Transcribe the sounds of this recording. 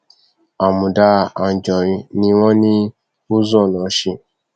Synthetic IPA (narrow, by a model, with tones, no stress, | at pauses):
a˨mũ˨da˧a˨n˨d͡ʒɔ̃˨ɾ̃ĩ˧nĩ˧w̃ɔ̃˦nĩ˦ | o˦zɔ̃˦˨nɔ̃˨˦ʃi˧˨